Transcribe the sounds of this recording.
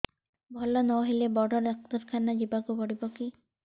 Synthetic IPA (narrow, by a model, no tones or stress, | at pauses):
bʱɔlɔnɔwɦelebɔɽɔɾek̚t̪ɔɾkʰanad͡ʒibakubɔɽibɔki